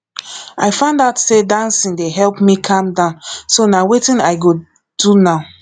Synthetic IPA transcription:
aɪfãndatsedãnsĩndeɦɛlpmikʰãmdãʊ̃nsonawetĩnaɪɡo | d̥unaʊ

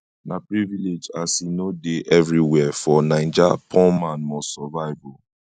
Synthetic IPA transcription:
napɹiviled͡ʒasinodeʔɛvɹiwɛfɔnãɪ̃nd͡ʒapʰɔ̃mãnmɔsɔvaɪvɔ

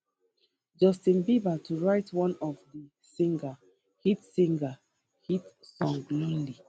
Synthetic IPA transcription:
d͡ʒɔstĩnbibatʰuɹaɪtʰwɔ̃nɔfdi | sĩŋɡa | hitsĩŋɡa | hitsɔ̃ŋɡlĩnli

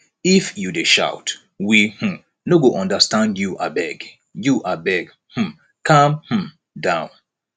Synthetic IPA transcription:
ifjudeʃa̰ʊt | wihm̩ | noɡoʔɔ̃ndəstãndjuʔa̰bɛɡ | juʔabɛɡ | hm̩ | kʰãmhm̩ | dãʊ̃n

